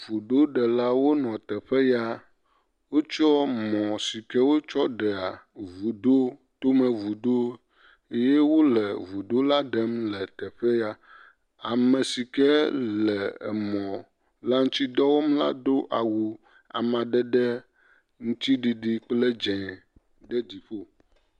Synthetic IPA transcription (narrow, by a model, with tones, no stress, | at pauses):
vu˨ɖo˦ɖɛ˨la˦wo˦nɔ̃˨t̪ɛ˨ɸɛ˦ja˦ | wo˦t͡ʃɔ˦mɔ̃˨si˨kɛ˦wo˦t͡ʃɔ˦ɖɛ˨a˨vu˨ɖo˦ | t̪o˦mɛ̃˨vu˨ɖo˦ | e˦je˦wo˦lɛ˨vu˨ɖo˦la˦ɖɛ˦mlɛ˨t̪ɛ˨ɸɛ˦ja˦ | a˨mɛ̃˨si˨kɛ˦lɛ̰˨mɔ̃˨ | la˦ŋũ˦t̪i˦d̪ɔ˦wo˦mla̰˦do˦ʔa˨wu˨ | a̰˨mã˨ɖɛ˦ɖɛ˦ | ŋũ˦t̪i˦ɖi˨ɖi˨k͡ple˦d͡ʒɛ̃˨ | ɖɛ˦d͡ʑi˨ɸo˦